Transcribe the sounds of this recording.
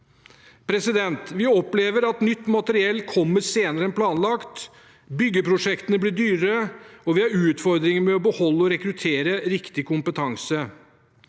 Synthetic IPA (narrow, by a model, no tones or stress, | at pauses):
pʰɾɛsɪd̪ɛnt̪ʋɪɔpleːʋəɾɑt̪nʏt̪ːmɑt̪əɾɪɛlːkʰɔmːəɾseːnəɾəɛnpʰlɑːnlɑkt̪ | bʏɡːəpʰɾʊʂɛkt̪ənəblɪɖyːɾəɔʋɪhɑɾʉːt̪fɔɾd̪ɾɪŋəmɛɔbəhɔlːəɔɾɛkɾʉt̪ʰeːɾəɾɪkt̪ɪkʊmpət̪ʰɑŋsə